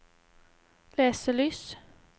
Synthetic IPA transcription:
leːsəɭyːs

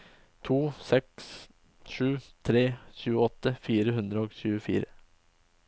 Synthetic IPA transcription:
t̪ʰuːsɛks | ʂʉːt̪ʰɾeːɕʉːəɔt̪ːəfiːɾəɦʉnd̪ɾəoːɡɕʉːəfḭːɾə

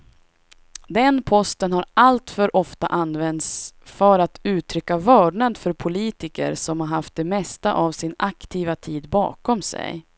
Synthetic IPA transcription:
d̪ɛnpʰɔst̪ənhaɾalt̪fœɾʔɔft̪a̰ʔanːvɛnd̪sfœɾat̪ʉ̟ːt̪ʰɾʏkːavœːɖɳad̪fœɾpʰʊliːt̪ɪkə̰ɾsɔmhaɾɦaft̪̚d̪ɛmɛst̪aʔavsɪnakt̪ʰiːvat̪ʰiːd̪bɑ̰ːkɔmsɛ̰j

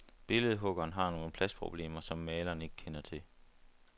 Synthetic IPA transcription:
b̥e̝ləð̞̩ˠɦɔ̽ɡ̥ɐːnɦɑ̈no̝ːn̩pʰlæspʰʁo̝b̥le̝̰ːmɐsɒ̽mːɛːlɐːne̝ɡ̥əkʰenɐt͡sʰe̝

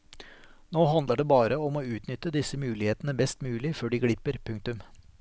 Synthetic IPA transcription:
noːhɑnd̪ləɖeːbɑːɾəɔmoːʉːt̪nʏt̪əd̪ɪsəmʉːlɪheːt̪nəbɛst̪mʉːlɪføːɖiːɡɽɪpːəɾpʰʉŋkt̪ʉm

